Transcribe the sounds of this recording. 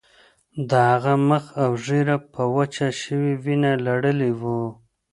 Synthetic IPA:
d̪əhaɣaməxawʐeɾapʰəwət͡ʃaʃəwiwinalaɽəlewu

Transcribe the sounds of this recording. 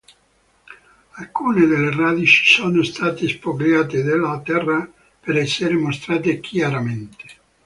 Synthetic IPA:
alkuːned̪elːerad̪it͡ʃi̥sɔnost̪aːt̪espoɡɾjaːt̪ed̪elat̪ɛrːa | peɾɛsːeɾemost̪ɾaːt̪ek̟ʰjaɾament̪e̥

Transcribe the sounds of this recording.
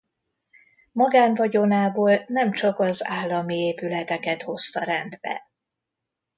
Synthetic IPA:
mɒɡaːnvɒɟo̞naːboːlnɛmt͡ʃɒkɒzaːlːɒmieːpylɛt̪ɛkɛt̪ho̞st̪ɒɾɛnd̪bɛ̰

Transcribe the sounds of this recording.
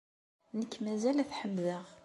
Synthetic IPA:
nəkːmæzælæθħəmːðəʁ

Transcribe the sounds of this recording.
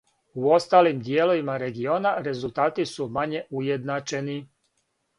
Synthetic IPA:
uo̞st̪aːlimd̪jelo̞ʋimaɾe̞ɡio̞ːnaɾe̞zulˠt̪aːt̪isumaɲe̞ujed̪nat͡ʃe̞ni

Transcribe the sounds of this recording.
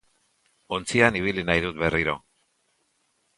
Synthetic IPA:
o̞nt͡sianiβ̞ilinajð̞ut̪̚be̞riɾo̞̰

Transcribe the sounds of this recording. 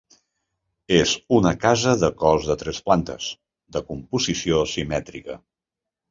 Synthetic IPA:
ezunəkazəðəkɔzðət̪ɾɛsplant̪ə̰s | d̪əkumpuzisiosimɛt̪ɾikə

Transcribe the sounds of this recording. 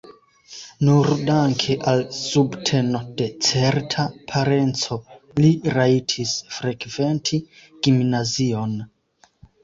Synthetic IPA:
nuɾdaŋkʰeʔalsubtʰe̞no̞de̞t͡seɾtʰapʰaɾent͡so̞ | liɾaitʰisfɾe̞kventʰi | ɡ̥imnazio̞n

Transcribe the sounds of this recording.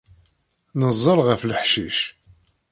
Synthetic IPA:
nəzˤːəɾˤʁəfləħʃiʃ

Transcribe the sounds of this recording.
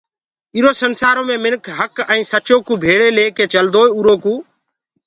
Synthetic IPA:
iːɾoːsənsaːɾoːmẽːmɪnkʰɦəkɛ̃iːsət͡ʃoːkũːbʱeːɽeːleːkeːt͡ʃəld̪oːuːɾoːkũː

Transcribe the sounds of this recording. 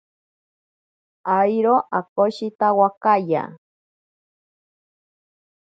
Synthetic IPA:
ajɾoʔakoʃit̪awakaja̰

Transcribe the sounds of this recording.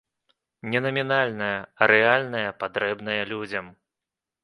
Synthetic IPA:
nʲɛnɐmʲinalʲnɐjɐɾɛalʲnɐjɐpad̪ɾɛbn̪ɐjɐlʲud͡zʲɐm

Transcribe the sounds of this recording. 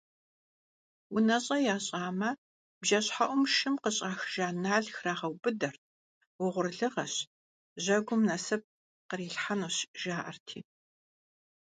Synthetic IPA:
wʊnɐɕʼɐjaːɕʼaːmɐ | bʒɐɕħaʔʷʊmʃɨmqəɕʼaːxʒaːnaːɮxraːʁɐwbɨdɐr | wʊʁʷʊrɮɨʁɐɕ | ʑɐɡʷʊmnɐsɐp̚ | qəɾiːɬħanoɕʒ̥aːʔɐ̰rtʰḭː

